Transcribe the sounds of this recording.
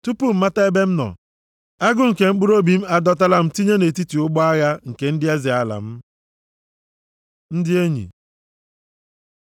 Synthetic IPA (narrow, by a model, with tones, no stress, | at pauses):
tu˦pu˦m̩˦ma˦ta˦e˦be˦m̩˦nɔ̰˨ | a˦ɡʊ˦ŋ̩˨ke˨ŋ͡m̩˦k͡pʊ˦ɾo˦bi˨m̩˦a˦dɔ˦t̬a˦la˦m̩˦ti˦ɲe˦ne˨ti˦ti˨ʊ˦ɡ͡bɔ˦a˦ɣa˦ŋ̩˨ke˨n̩˦dɪ˦e˦zɪ˨a˨la̰˨m̩˦ | n̩˦dɪ˦e˦ɲḭ˨